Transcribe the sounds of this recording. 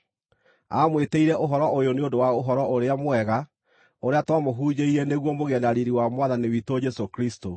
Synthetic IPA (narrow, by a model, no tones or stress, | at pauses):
a̰mweteiɾɛʔoɦɔɾɔʔojoneondowaoɦɔɾɔʔoɾeamwɛɣa | oɾeatwamoɦuːd͡ʑeiɾɛneɣwɔmoɣɛndaɾiɾiwamwaðaniwitod͡ʒɛsokɾisto